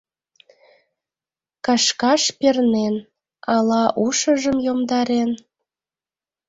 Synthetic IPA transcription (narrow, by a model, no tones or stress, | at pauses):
kɑʃkɑʃpernen | ɑlɑʔuʃəʒəmjomd̪ɑɾen